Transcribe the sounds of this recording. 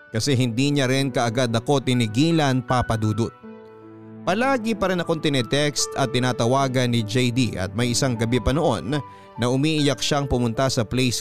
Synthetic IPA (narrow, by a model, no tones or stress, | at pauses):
kɐsɛɦɪnd̪iɲaɾɪnkɐʔɐɡad̪ɐko̞t̪ɪnɪɡiːlɐnpapɐd̪uːd̪ʊt̪̚ | pɐlaːɡɪpɐɾɐnɐko̞nt̪ɪnɛt̪ɛkst̪ɐt̪ːɪnaːt̪ɐwaːɡɐnːɪd͡ʒɛjd̪iʔɐ̰t̪̚mɐjʔɪsaŋɡɐbɛpɐno̞ʔo̞̰nː | ɐʔʊmiːʔɪjɐk̚ʃaŋpʊmʊnt̪asɐplɛjs